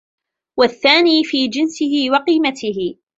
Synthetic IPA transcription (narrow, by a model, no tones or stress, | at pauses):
waθːaːniːfiːd͡ʒɪnsɪhɪwɑqiːmat̪ɪɦɪ